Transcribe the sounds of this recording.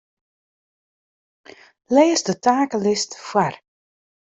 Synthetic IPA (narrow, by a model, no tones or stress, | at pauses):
leːsdətaːkəlɪstfwar